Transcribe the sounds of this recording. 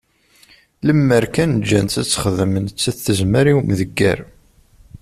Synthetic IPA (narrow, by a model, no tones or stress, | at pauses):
ləmːəɾkænd͡ʒːænt̪æt͡sːχəðmənt͡sːæθəzməɾiwmðəɡːæ̰ɾ